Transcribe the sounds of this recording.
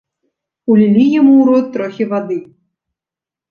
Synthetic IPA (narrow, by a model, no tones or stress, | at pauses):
ulʲilʲijamuwɾɔt̪ːɾɔxʲivad̪ɨ